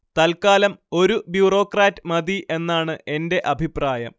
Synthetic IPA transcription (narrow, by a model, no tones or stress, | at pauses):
t̪ɐlkaːlɐmo̞ɾubjuːro̞ːkraːtːɨmɐd̪iʔe̞nːaːɳɨe̞nde̞ʔɐbʱipraːjɐ̰m